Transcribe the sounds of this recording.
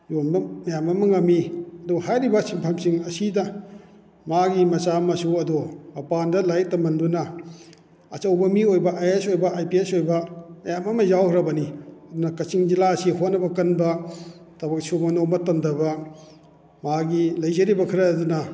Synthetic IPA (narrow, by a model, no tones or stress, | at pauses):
jonbɐmɐjamɐmɐŋɐmːiɐduɐhajɾibɐsimpʰamsiŋɐsidɐ | maɡimɐt͡ʃamɐsuɐduɐpandɐlajk̚tɐmɐndunɐ | ɐt͡ʃɐwbɐmiojbɐʔajesojbɐajpiesojbɐmɐjamɐmɐzawhɾɐbɐniɐdunɐkɐt͡ʃiŋd͡ʒilasiɦot̚nɐbɐkɐnbɐ | tɐbɐk̚sumɐnomɐtɐndɐbɐ | maɡilɐjzɐɾibɐkʰiɾɐdunɐ